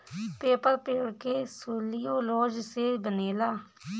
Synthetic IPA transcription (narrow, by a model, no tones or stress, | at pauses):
peːpəɾpeːɽkeːsoːliːoːloːd͡ʒseːbəneːlaː